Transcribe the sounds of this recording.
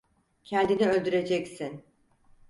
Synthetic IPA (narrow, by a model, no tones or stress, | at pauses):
cʰɛnd̪iniø̞lʲd̪yɾe̞d͡ʒɛcsin